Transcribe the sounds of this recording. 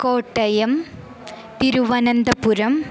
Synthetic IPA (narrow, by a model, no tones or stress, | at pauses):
koːʈːɐjɐm | t̪iɾuʋɐnɐnd̪ɐpuɾɐm